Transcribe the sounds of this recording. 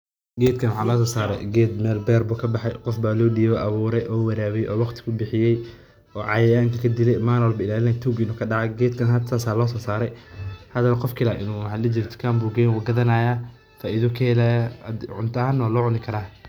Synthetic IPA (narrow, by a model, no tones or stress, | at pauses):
ɡɛːd̪̚kʰɐnwɑħɑːlɔːs̬ɔːsaːɾɛ̰jɡɛːd̪mɛːlbɛːrbuːkʰɐbɑħɛjqɔfbaːlɔːɖiːβɔʔɐβuːɾɛjʔɔːwɐɾaːβɛʔɔːwɑqt̪ʰɪ̥kʰʊbɪħɪjɛj | ɔːʕɑ̰jɛjaːŋkʰɐkʰɐd̪ɪlɛjmaːnwɔlbɐɪlaːlɪnɐjt̪ʰuːɡɪnuːkʰɐɖɑʕɑɡɛːd̪kʰɐnɦɐt̪ʰːaːsaːlɔːs̬ɔːsaːɾɛjhɐd̪ɐβɐqɔfkʰɪlaːʔɪ̰nuːhɐlɪd͡ʒɪɾt̪ʰɔ̥kʰaːmbuːɡɛːjnwʊɡɐðɐnaːjaː | faːʔiðɔkʰɐhɛlaʕʊ̰nt̪ʰɐaːnːɔːlɔːʕʊnɪkʰɐɾaː